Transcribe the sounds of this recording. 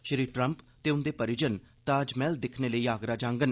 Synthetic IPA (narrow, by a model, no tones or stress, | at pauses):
ʃəɾiːʈɾəmp | t̪eːʊnd̪eːpəɾɪd͡ʒənt̪ãːd͡ʒmɛːld̪ɪkʰneːləiːaːɡɾaːd͡ʒãːŋɡən